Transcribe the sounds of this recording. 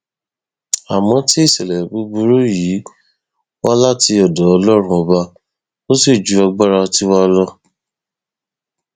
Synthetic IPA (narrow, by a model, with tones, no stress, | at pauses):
a˨mɔ̃˨˦ti˦i˦˨sɛ˨lɛ˨bu˨˧˦bu˧ɾo˦ji˨˦ | wa˦la˦ti˧ɔ˨dɔ˨˦ɔ˧lɔ˦ɾ̃ũ˧ɔ˧ba˧ | o˦si˦˨d͡ʒu˨˦a˧ɡ͡ba˦ɾa˧ti˦wa˦˧lɔ˦